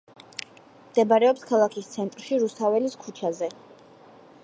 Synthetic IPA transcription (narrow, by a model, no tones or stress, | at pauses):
md̪̥ɛbaɾɛɔpskʰalˠakʰist̪sʰɛnt̪ʼɾʃiɾust̪ʰavɛliskʰut͡ʃʰazɛ